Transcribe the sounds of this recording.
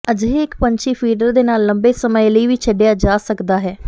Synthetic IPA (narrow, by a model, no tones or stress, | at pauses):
əd͡ʒɦeːɪkpəɲt͡ʃʰiːpʰiːɖəɾd̪eːnaːlːəmbeːsəməjləiːʋiːt͡ʃʰəɖejaːd͡ʒaːsəkd̪aːɦɛː